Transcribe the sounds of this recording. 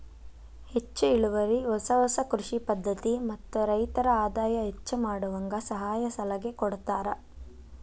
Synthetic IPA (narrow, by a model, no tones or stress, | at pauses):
het͡ʃːuiɭuʋɐɾiɔsɐɦɔsɐkɾuʂipɐd̪ʱːɐt̪imɐt̪ːuɾɐjt̪ɐɾɐaːd̪aːjɐɦet͡ʃːumaːɽuʋɐŋɡɐsɐɦaːjɐsɐlɐɡekɔɽt̪aːɾɐ